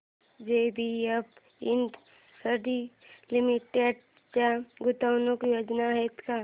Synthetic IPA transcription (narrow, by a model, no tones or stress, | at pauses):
d͡ʒebʱiəb | ɪnd̪ | səɖilɪmiʈeɖ | t͡ʃaɡʊt̪əwnokjoːd͡ʒnaɦɛt̪ka